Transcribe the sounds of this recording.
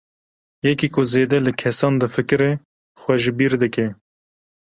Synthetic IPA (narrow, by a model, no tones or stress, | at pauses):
jɛkiːkʊzeːd̪ɛlɨkʰɛsɑːnd̪ɨfɨkɨɾe | xwɛʒɪbiːɾd̪ɨkɛ